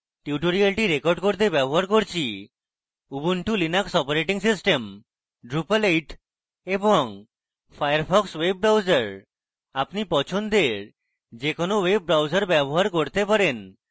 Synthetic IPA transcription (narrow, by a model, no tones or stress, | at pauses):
ʈiuʈoɾialʈiɾekɔɾɖkoɾt̪ebɛboɦaɾkoɾt͡ɕʰi | ubuɳʈulinaksɔpoɾeʈiŋsisʈem | ɖɾupalejʈ | eboŋ | fʰajaɾpʰɔkswebːɾawd͡ʑaɾ | apnipɔt͡ɕʰond̪eɾ | d͡ʑekonoweb̚ːɾawd͡ʑaɾbɛboɦaɾkoɾt̪epaɾen